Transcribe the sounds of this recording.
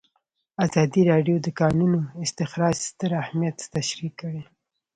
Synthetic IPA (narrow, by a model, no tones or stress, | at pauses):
azɑd̪iɾɑɖjod̪əkɑnunoɪst̪ɪxɾɑd͡ʒst̪əɾahmijat̪ːaʃɾikːəɽe